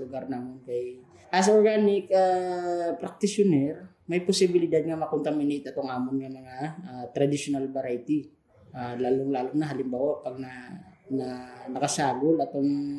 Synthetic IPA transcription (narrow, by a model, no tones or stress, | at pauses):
lʊɡaɾnamonkɐj | ʔɐsoɾɡaːnɪk̚apɾɐk̚t̪ɪsjonɛɾ | mɐjposɪbɪlɪd̪ad̪̚ŋɐmɐkʊnt̪ɐmɪnet̪ɐt̪oŋʔaːmʊŋnɐmɐŋaat̪ɾɐd̪ɪʃonalbɐɾajt̪i | ʔalaːloŋlaːloŋnɐɦalɪmbawoʔpɐɡ̚nɐnɐnɐkɐsaːɡolɐt̪oŋ